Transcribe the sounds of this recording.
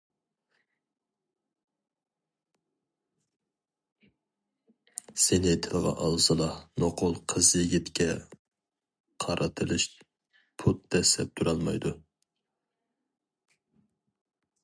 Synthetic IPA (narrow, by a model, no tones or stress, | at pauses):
senɪt̪ʰɪlˠʁɑ̰ʔɑlˠzɨlˠɑnoqʰʊlˠqʰəzjiɡʲit̪kʲɛ | qʰɑɾʔɨt̪ʰɨlˠɨʃ | pʰut̪ːɛsɛp̚t̪ʰuɾɑlˠmɑjd̪u